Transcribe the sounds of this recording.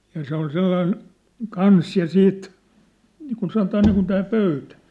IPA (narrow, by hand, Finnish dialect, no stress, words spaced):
jɑ se ol selːɑin kɑns jɑ siːt niːkun sɑnotɑː niːkun tæː pøytæ̥